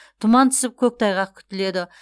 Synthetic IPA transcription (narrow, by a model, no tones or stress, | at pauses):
t̪ʰʊmɑnt̪ʰʏ̥sɪp̚kʲʰɵk̚t̪ʰɑjʁɑq̚kʲʰʏ̥t̪ɪle̞d̪ɪ